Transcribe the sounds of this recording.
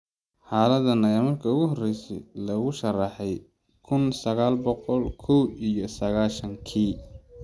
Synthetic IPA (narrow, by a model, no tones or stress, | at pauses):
ħaːlɐðɐnɐjamɐrkʰɐʊɣʊɦɔrɛjsɛ̰jlɐɣʊʃɐrɑħɛj | kʰʊnsɐɣaːlbɔqɔlkʰɔwijɔsɐɣaːʃɐŋkʰiː